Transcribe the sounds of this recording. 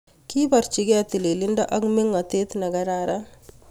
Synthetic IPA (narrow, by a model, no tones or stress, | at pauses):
kipɐɾt͡ʃiɡeɐt̪ililiɳɖɐʔɐɡmiŋɐt̪eːt̪nɐɡɐɾaːɾɐ